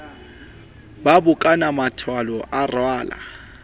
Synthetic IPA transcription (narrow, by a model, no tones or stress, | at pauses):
babʊkʼanamatʰwalɔʔarwaːla̰